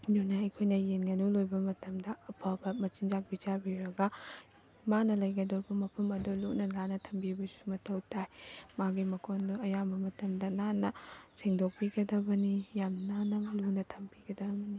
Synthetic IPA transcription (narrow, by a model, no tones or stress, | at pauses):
jonaɐjkʰojnɐjenɡɐnulojbɐmɐtɐmdɐɐpʰabɐmɐt͡ʃind͡ʒak̚bid͡ʒabiɾɐɡɐ | manɐlɐjɡɐdoɾbɐmɐpʰɐmɐdulunɐnanɐtʰɐmbibɐsu̥mɐtʰɐwtʰajmaɡimɐkʰonduɐjabɐmɐtɐmdɐnanɐseŋdok̚piɡɐdɐbɐnijamnɐnanɐmɐlunɐtʰɐmpiɡɐdɐbɐni